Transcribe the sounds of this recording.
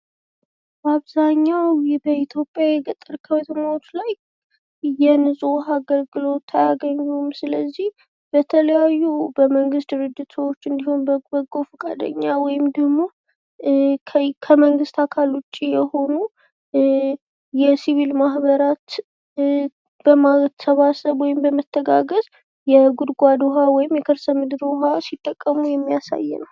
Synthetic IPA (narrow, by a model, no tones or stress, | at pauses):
baβzaɲːawbəit̪ʰjo̞pʼjajɛɡət̪ʼːəɾkʰəwɛt̪ʰəmaot͡ʃlaj | jɛnɨsʼoɦaɡəlɡɨlo̞t̪ʰːajaɡəɲːumsɨləzːih | b̥ət̪ʰələjajːubəməŋɡɨst̪̚d̪ɨɾɨd͡ʒːɪt̪səwo̞t͡ʃːɨnd̪iho̞nbəbəɡo̞fɨkʼa̰d̪ə̰ɲːawɔjɪmd̪əɡmo̞ | kʰəməŋɡɨst̪ʰakʰalwʊt͡ʃʼːijɛho̞nu | jɛsiβilmahβəɾat̪ | b̥əmasəβasəβwɔjɪmbəmət̪ʰːəɡaɡəz | jɛɡʊd̪ɡʷad̪oɦawɔjɪmjɛkʰɨɾsəmɨd̪ɨɾoɦasit̪ʼːəkʼːəmujɛmːijasa̰jːɛ̰nəw